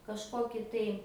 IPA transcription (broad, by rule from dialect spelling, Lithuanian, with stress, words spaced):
kɐʃˈkoːkʲɪ tɐɪ